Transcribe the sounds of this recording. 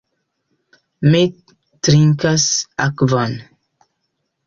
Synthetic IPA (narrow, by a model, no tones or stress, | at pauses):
me | tɾiŋkasakvɔn